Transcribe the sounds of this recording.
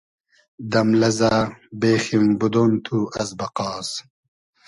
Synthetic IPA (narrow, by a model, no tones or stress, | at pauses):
d̪ɐmlɐzabeːximbud̪ont̪ʰuɐzbɐqɑːs